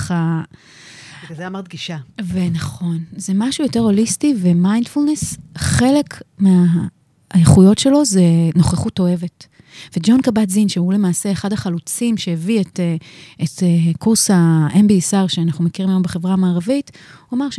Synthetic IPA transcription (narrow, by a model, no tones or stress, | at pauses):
χa | zeamaʁd̪̚ɡiʃavenaχo̞nzemaʃujo̞te̞ʁo̞listive̞majndfulne̞sχe̞le̞kmea | eχujo̞tʃe̞lo̞ze̞no̞χeχuto̞e̞vet | ve̞d͡ʒo̞nkabatzinʃeule̞maːse̞eχadhaχalut͡simʃeevieteetekuʁshaembiːsaʁʃeanaχnumekiʁimajo̞mbeχevʁamaːʁavituamaʁʃ